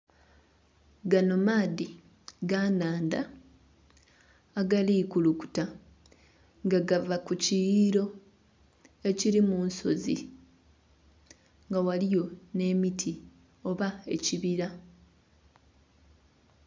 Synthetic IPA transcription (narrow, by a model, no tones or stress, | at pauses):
ɡano̞maːði | ɡanaːnda | ɡaliːkuluku̥ta | ŋɡaɡavakucijiɾo̞ | e̞ciɾimuːnso̞̰zḭ | ŋɡawalijo̞ne̞ːmitʰi | o̞βae̞̰ciβiɾa